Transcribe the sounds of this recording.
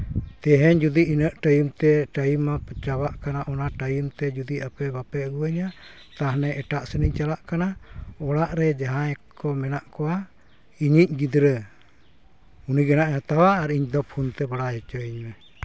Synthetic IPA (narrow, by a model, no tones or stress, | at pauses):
t̪ɛɦɛɲd͡ʒud̪iinəʔʈəjumt̪ɛʈajumːapət͡ʃabaʔkanaʔɔnaʈəjumt̪ɛd͡ʒud̪iapɛbapɛɡuwəɲa | t̪aɦnɛʔɛʈaʔsənic̚t͡ʃalaʔkanaɔɽaʔɾɛd͡ʒaɦãɛkɔmɛnaʔkɔwa | iɲic̚ɡid̪ɾə | uniɡanaʔjat̪awaːɾiɲd̪ɔp̚hunt̪ɛbaɽajɔt͡ʃəiɲmɛ